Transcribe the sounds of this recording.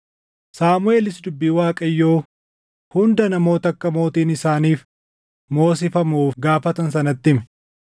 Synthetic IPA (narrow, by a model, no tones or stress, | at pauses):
saːmʊe̞ːlɪsd̪ʊbːiːwaːkʼɐjːo̞ː | hʊnd̪ɐnɐmo̞ːt̪ɐkːɐmo̞ːt̪iːnɪsaːniːf | mo̞ːs̬ɪfɐmuːfɡaːfɐt̪ɐnsɐnɐt̪ːɪmɛ